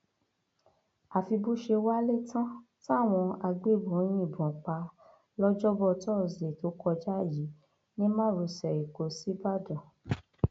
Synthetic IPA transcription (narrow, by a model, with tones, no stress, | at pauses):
a˨fi˧bu˦ʃe˧wa˦le˦˨tã˦ta˦˨w̃ɔ̃˧a˧ɡ͡be˦˨bɔ̃˨˦j̃ĩ˦˨bɔ̃˨k͡pa˧ | lɔ˦d͡ʒɔ˦bɔ˦tɔ˦˨ze˨to˨˦kɔ˧d͡ʒa˦˨ji˨˦ | nĩ˦mãː˦˨ɾu˧sɛ˨ɾi˨ko˨˧si˦ba˦˨dɔ̃˨